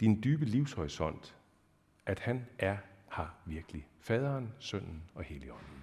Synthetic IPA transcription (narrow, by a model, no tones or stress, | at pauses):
d̥ind̥yːb̥əliʊshɒʁisɒ̽n̰d̥ | ʔæd̥hænʔæɐhɑ̈ʋiɐɡ̥əlifɛːð̞ˠɐːnsœn̰n̩ɒ̽heliɒ̽n̰n̩